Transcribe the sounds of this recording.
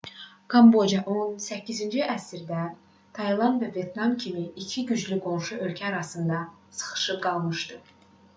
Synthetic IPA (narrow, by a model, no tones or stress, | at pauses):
kʰɑmbod͡ʒɑʔonsæcʰːizind͡ʒiʔæsiɾd̪æ | t̪ʰɑjlˠɑnd̪vævje̞t̪nɑmcʰimiːcʰiɟyd͡ʒlyɡo̞nʃuʔø̞lcʰæːɾɑsɯnd̪ɑsɯ̥χɯ̥ʃɯp̚ɡɑlˠmɯʃt̪ɯ